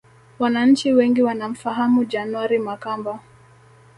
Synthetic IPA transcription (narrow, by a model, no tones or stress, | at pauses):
wanaɲ̩t͡ʃiwɛŋɡiwanam̩faɦamud͡ʒanuaɾimakamba